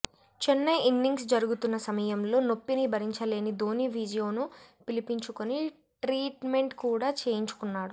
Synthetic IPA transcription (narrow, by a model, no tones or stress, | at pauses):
t͡ʃɛnːɐjinːiŋɡsd͡ʒɐɾuɡut̪unːɐsɐmɐjɐmlo̞ːno̞pːinibʱɐɾiɲt͡ʃɐle̞ːnid̪ʱoːniʋʱiːd͡ʒijo̞ːnupilipiɲt͡ʃukoni | ʈɾiːʈme̞ɳʈkuːɽaːt͡ʃe̞ːjiɲt͡ʃu̥kunːaːɽu